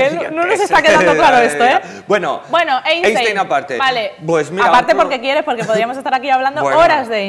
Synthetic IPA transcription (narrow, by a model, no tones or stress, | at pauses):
nononosest̪akeðãndoklaɾoest̪oe | bweno̰bwe̞noʔejsejeejnapaɾt̪ḛbalepwesmiɾaapaɾt̪epo̞ɾke̞kjeɾe̞spoɾke̞p̬oðɾiamosest̪aɾakiaβland̪ooɾazðe